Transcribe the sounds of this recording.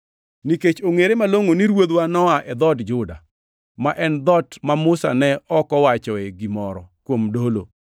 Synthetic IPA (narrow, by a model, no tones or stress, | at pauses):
niket͡ʃoŋeɾemaloŋoniɾwod̪wanɔaʔɛd̪ɔdd͡ʒʊda̰ | maʔɛnd̪ɔtmamʊsa̰nɛɔkɔwat͡ʃɔɛɡimɔɾɔkwomdolo̰